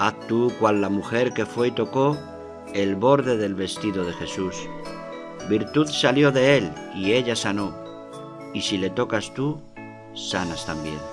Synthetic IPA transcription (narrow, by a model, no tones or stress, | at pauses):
at̪ukwalːamuxe̞ɾke̞fwe̞it̪o̞ko̞ | e̞lβo̞ɾðe̞ðe̞lβe̞st̪iðoð̞e̞xe̞sus | biɾt̪uθsaljo̞ðe̞e̞l | ie̞ʎasano̞ | isile̞t̪o̞kast̪u | sanast̪ambje̞̰n